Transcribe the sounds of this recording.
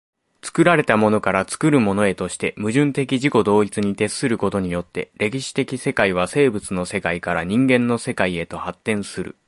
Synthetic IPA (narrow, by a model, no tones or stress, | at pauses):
t͡sɨ̥kɯ̟ɾaɾe̞t̪amo̞no̞kaɾat͡sɨ̥kɯ̟ɾɯ̟mo̞no̞e̞t̪o̞ɕi̥t̪e̞mɯ̟ʑɨ̃nt̪e̞kʲiʑiko̞d̪o̞ːit͡sɨɲ̟it̪e̞sːɨɾɯ̟ko̞t̪o̞ɲ̟ijo̞t̪ːe̞̰ɾʔe̞kʲiɕi̥t̪e̞kʲise̞kaiβ̞ase̞ːbɯ̟t͡sɨno̞se̞kaikaɾaɲ̟ĩŋɡẽ̞nːo̞se̞kaie̞t̪o̞hat̪ːẽ̞ɰ̃sɨɾɯ̰